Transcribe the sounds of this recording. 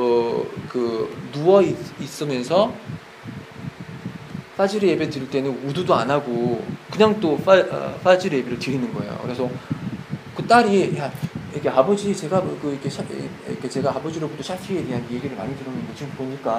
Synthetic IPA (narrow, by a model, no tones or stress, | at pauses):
ʌkɯnuʌiis͈ɯmjʌnsʰʌ | ɸ͈ʰad͡ʑiɾeebetɯɾiɭt͈e̞nɯnududoanaɡokɯɲaŋt͈oɸaʌ̰ɸ͈ʰad͡ʑiɾɯebiɾɯɭtɯɾinɯnɡʌ̰e̞̰jo̰kɯɾe̞sʰʌ | kɯt͈aɾijaikʰeabʌd͡ʑit͡ɕe̞ɡakɯikʰeɕʰ | kʰet͡ɕe̞ɡaabod͡ʑiɾobut͈oɕʰakʰie̞de̞ɦanje̞ɡiɾɯɭma̰ɲidɯɾʌnɯɡot͡ɕiɡɯboɲik͈a